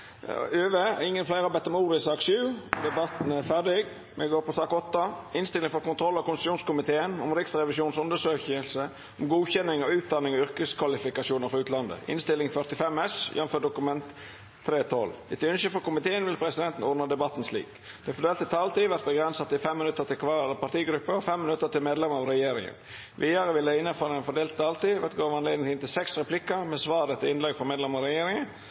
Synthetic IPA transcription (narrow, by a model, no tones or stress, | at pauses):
øːʋəɪŋːənflæɪɾɑbɛt̪ːəɾmuːɾɪsɑːksʉːd̪ɛbɑt̪n̩æɾfæɖɪɡ | mʔɛɡoːɾpʰɔsɑːkɔt̪ːɑɪnst̪ɪlɪŋfɔɾkʊnt̪ʰɾɔlːɑkʊnsʃuːnskʊmɪt̪ʰeːənɔmɾɪksɾɛʋɪsuːnsʊnd̪əʂøːçəlsə | ɔmɡuːçɛnːɪŋɔʉːt̪̚d̪ɑnːɪŋɔʏɾkəskʰʋɑlɪfɪkɑsuːnəɾfɔɾʉːt̪ʰlɑnd̪ə̰ʔɪ̰nst̪ɪlːɪŋfœʁt̪ɪfɛmːɛsjɛ̰nføːɖʊkʉmɛnt̪ʰː | ɾeːt̪ʰɔlːɪt̪ʏnsəfɔkʊmɪt̪ʰeːənʋɪlpʰɾɛsɪd̪ɛnt̪n̩ɔɾnəd̪ɛbɑt̪ːn̩slḭːk | d̪̥ɛɪfɔd̪eːlt̪ːɪt̪ʰɑːlt̪iːʋæɾt̪̚bəɡɾɛnsɑt̪ɪfɛmːɪnʉt̪ːəɾt̪ɪlkʰʋɑɾpɑt̪iːɡɾʉpːəɔfɛmːɪnʉt̪ːət̪ɪlmeːd̪lɛmɑʋɾɛjeːɾɪ̰ŋə̰n | ʋiːəɾəʋɪld̪ɛɪnːəfɑːlɛnfɔɖ̪eːlt̪̚t̪ʰɑːlt̪iːʋæɾt̪̚ɡoːʋɑneːd̪ɪŋt̪ɪːnt̪ɪlsɛksɾɛpʰlɪkːəɾmɛsʋɑːd̪ət̪ʰɪɪnlɛɡfɔmeːd̪lɛməʁɑɾɛjeːɾɪŋə